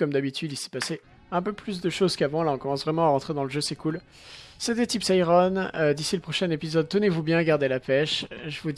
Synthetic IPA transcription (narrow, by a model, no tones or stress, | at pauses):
kɔmd̪abit̪yd̪isɛ̥pase | ɛ̃pøplys̬d̪əʃozkavɑ̃laɔ̃kɔmɑ̃svʁɛmɑ̃aʁɑ̃t̪χed̪ɑ̃ləʒøsɛkul | set̪̬ɛt̪ipsajʁɔnød̪isiləpχɔʃɛnepizɔd̪̚t̪ənevubjɛ̃ɡaʁd̪elapɛʃʒəvu